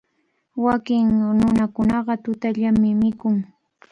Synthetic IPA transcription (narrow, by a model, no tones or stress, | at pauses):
wakɪŋnʊnakʊnɑɢɑt̪ʊt̪aʎamːɪmɪkʊŋ